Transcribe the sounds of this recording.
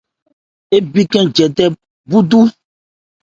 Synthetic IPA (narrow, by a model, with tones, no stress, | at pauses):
e˦bi˦kɛ̃˦d͡ʒɛ˨tɛ˦ | bu˦du˦